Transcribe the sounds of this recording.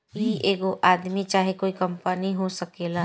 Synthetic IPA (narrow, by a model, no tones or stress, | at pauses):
ieːɡoʔaːd̪mit͡ʃaːɦekoːikɐ̃mpəniɦosɐkela